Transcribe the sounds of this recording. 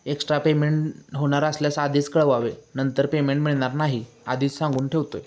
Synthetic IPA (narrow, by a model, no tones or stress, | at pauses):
eksʈɾapemeɳʈɦoɽ̃aɾəsljasad̪ʱiːt͡skəɭʋaʋenənt̪əɾpemeɳʈmiɭɳ̃aɾnaɦi | ad̪ʱiːt͡ssãŋɡuːnʈʰeʋt̪oj